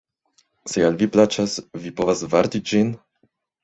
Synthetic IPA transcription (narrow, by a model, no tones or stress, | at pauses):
sealviplat͡ʃasvipo̞vasvaɾtid͡ʒin